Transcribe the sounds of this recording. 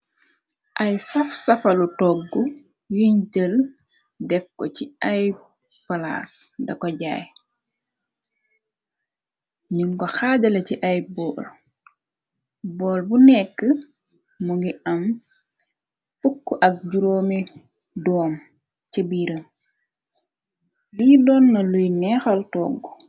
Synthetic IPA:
ʔɐjsɐfsɐfɐlutɔɡːu | juɲɟəl | dɛfkɔ̰ciɐj | pɐla̰sdɐkɔɟa̰ːj | ɲuŋkɔxaːɟɐlɐciʔɐjbɔːl | bɔːlbunɛkːə | muŋɡiʔɐm | fukːuʔɐk̚ɟuɾoːmi | dɔːm | cɐbiːɾəm | liːdɔnːɐlujnɛxɐltɔːɡːu

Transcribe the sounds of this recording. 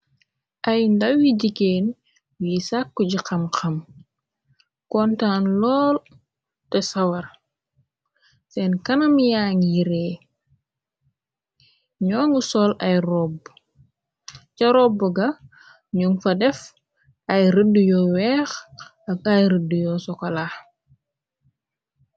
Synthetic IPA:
ʔɐjndɐwiɟikeːn | wisakːuɟiqɐmxɐm | kɔntaːnlɔːl | tɛsɐwɐr | sɛnkɐnɐmjaːŋjiɾɛ | ɲɔːŋusɔlɐjrɔb | cɐɾɔbuɡɐ | ɲuŋfɐdɛf | ʔɐjɾədːujɔwɛːx | ɐɡajɾədujɔsɔkɐla

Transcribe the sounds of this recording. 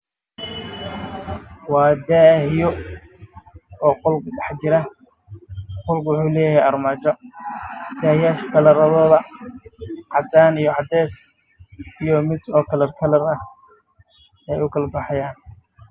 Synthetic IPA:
wɑːd̪aːhjɔ | ɔːqʊlɡɖɑħt͡ʃɪɾɐ | qʊlɡwʊħuːlɛːjɐhɛjɐrmat͡ʃɔ | d̪̥aːhjaːʃkʰɐlɐɾɐðɔːðɐ | ʕɑd̪aːnijɔʕɑd̪ɛːs | ijɔmɪd̪ɔːkʰɐlɐrkʰɐlɐrɐh | ɛjʊkʰɐlbɑħɑjaːn

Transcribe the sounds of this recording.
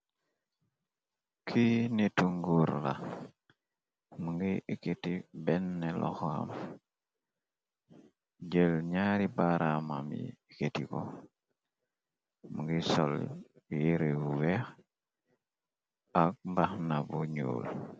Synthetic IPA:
kʰinetuŋɡuɾla̰ | muŋɡiketibɛnːelo̰xa̰m | ɟəlɲaɾibaɾama̰mḭketiko | muŋɡisol | jiɾeuwex | ak̚mbaxnabuɲo̰ːl

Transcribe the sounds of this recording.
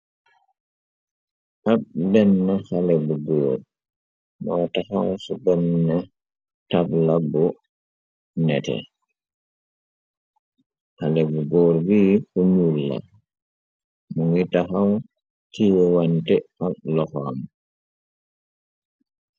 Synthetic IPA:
ʔaɓbɛnːɛhalɛbuɡɔːɾ | mɔwtahawsubɛnːɛ | tablabɔ | nɛtɛ̰ | halɛbuɡɔːɾbiːhuɲulːa̰ | mɔŋitaxaw | tʰiwantɛʔaɓlɔxam

